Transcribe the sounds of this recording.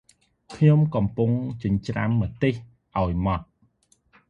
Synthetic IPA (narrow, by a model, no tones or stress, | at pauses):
kʰɲomkɑmpuŋt͡ɕəɲt͡ɕramːət̪eh | ʔaɔjmɑt̪̚